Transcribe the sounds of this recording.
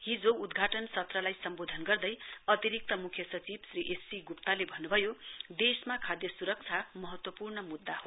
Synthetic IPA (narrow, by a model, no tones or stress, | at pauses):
ɦid͡zoud̪ɡʱaʈʌnsʌt̪rʌlajsʌmbod̪ʱʌnɡʌrd̪ʌjʌt̪iɾik̚t̪ʌmukʰjʌsʌt͡sibsriʔesiɡup̚t̪alebʱʌnːubʱʌjod̪esmakʰad̪jʌsuɾʌk̚t͡sʰamʌɦʌt̪wʌpurnʌmud̪ːaɦo